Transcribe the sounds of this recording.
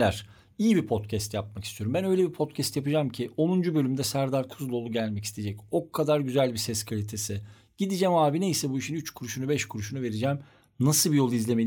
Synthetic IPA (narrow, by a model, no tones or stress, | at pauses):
æɾ̥ | ijibipʰo̞t̪cʰɛst̪jap̚maki̥st̪ʰijo̞ɾumbænø̞jlʲebipʰo̞t̪cʰɛst̪japɯd͡ʒamcʰiʔo̞nund͡ʒubø̞lʲymd̪ɛsæɾd̪aɾkʰuzlˠo̞lˠuɟælʲmɛci̥st̪ʰed͡ʒɛco̞kʰːad̪aɾɟyzælʲbisɛskʰalʲit̪ʰesɪ | ɟ̥id̪id͡ʒɛmaːbinejsɛbuiʃinyt͡ʃkʰuɾuʃunubɛʃkʰuɾuʃunuve̞ɾid͡ʒɛm | nasɯbijo̞lˠɯizlʲeme